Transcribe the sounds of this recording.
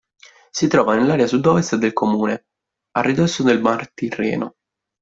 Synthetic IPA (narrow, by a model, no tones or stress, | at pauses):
sit̪ɾɔːvanelːaːɾjasud̪ːɔːvest̪d̪elkʰomuːne | arːid̪osːod̪elmart̪irːɛ̰ːno